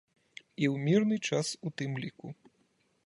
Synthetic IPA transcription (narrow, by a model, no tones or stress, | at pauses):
iwmʲirnɨt͡ʂasut̪ɨmlʲiku